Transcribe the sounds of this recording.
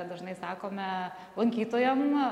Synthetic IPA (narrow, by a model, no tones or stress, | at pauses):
d̪ɐʒnɐɪsɑːkoːmʲɛ | lˠɐŋʲkʲiːt̪oːjɛm